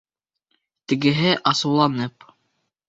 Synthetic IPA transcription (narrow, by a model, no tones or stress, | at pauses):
t̪ɘ̆ɡɘ̆ɦɘʔɑsɤ̆wlˠɑnɤp